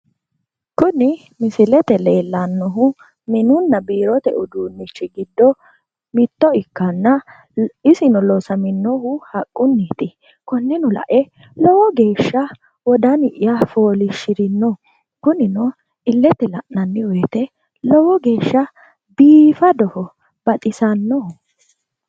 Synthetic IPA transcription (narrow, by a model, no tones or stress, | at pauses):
kʊnɪ | mɪsɪlɛt̪ɛle̞ːlːɐnːɔɦʊ | mɪnʊnːɐbiːɾɔt̪ɛ̰ʔʊd̪uːnːɪt͡ʃːɪɡɪd̪ːɔ | mɪt̪ːɔɪkːɐnːɐ | ɪsɪnɔlɔsɐmɪnːɔɦʊhɐkʼːʊnːiːt̪ɪ | kɔnːɪnʊlɐ̰ʔɛ | lɔwɔɡe̞ːʃːɐ | wɔd̪ɐnɪʔɪjafo̞ːlɪʃːɪɾɪnːɔ | kʊnɪnɔ | ɪlːɛt̪ːɛlɐʔnːɐnːɪwɔjt̪ɛ | lɔwɔɡe̞ːʃːɐ | biːfɐd̪ɔhɔ | b̥ɐt̪ʼɪsɐnːɔhʊ